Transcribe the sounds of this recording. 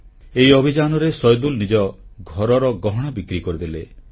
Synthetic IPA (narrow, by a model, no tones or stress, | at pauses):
eiɔbʱid͡ʒanɔɾesɔjd̪ulnid͡ʒɔɡʱɔɾɔɾɔɡɔɦɔɽ̃abikɾikɔɾid̪ile